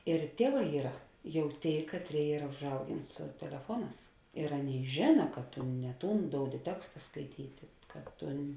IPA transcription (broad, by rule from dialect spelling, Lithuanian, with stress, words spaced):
ɪr ˈtʲiɛˌʋɑː ˈiːrɐ ˈjɛʊ ˈtʲeːɪ ˈkɑːtʲˌrʲeːɪ ˈiːrɐ ʊʒˈɐʊɡʲeːn sʊ tʲɛlʲɛˈfuɔˌnɑːs ɪr ˈɑːˌnʲeːɪ ˈʒʲeːnɐ kɐt tʊ nʲɛ ˈtuːn ˈdoːʊdʲɪ ˈtʲæːkstɐ skɐɪˈtʲiːtʲɪ kɐ ˈtʊn